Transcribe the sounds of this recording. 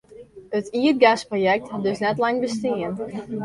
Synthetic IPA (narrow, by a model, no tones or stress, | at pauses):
ətiət̚ɡasprojɛk̚tdøsnɛtlaŋbəstiən